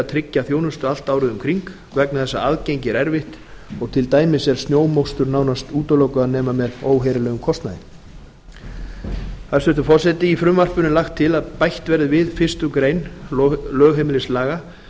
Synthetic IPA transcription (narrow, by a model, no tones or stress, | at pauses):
at̪ʰɾɪcːaθjoːwnʏst̪ʏal̥t̪aːwɾʏðʏmkʰɾiŋk | vɛknaθɛsːa̰aðcejɲcɪɾɛɾvɪht̪ | ɔɣt̪ʰɪlt̪aːjmɪsɛɾ̥st̪njoːwmowst̪ʏɾnaːwnast̪uːt̪ʏlowkʏaðnɛːmamɛðoːwɦeɾɪlɛːɣʏmkʰɔst̪na̰ðɪ̰n | θaðsʏht̪ʏɾfɔr̥sɛt̪ɪifɾʏmvar̥pʏnɪnlaxt̪ʰːɪlaðpajht̪vɛɾðɪvɪðfɪr̥st̪ʏkɾeːjnlœːɣɦemɪlɪslaːɣa